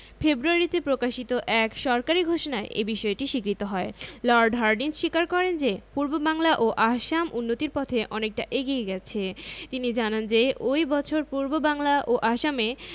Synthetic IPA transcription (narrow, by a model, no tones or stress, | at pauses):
febɾuaɾit̪epɾokaʃit̪oʔɛkʃɔɾkaɾiɡʱoʃonaeʔḛbiʃɔeʈiʃikɾit̪oɦɔelɔɾɖɦaɾɖinsʃikaɾkɔɾend͡ʑepuɾbobaŋlaʔoʔaʃamʔunːot̪iɾpɔt̪ʰeʔɔnek̚ʈaʔeɡieɡɛt͡ɕʰet̪inid͡ʑanand͡ʑeojbɔt͡ɕʰoɾpuɾbobaŋlaʔoʔaʃame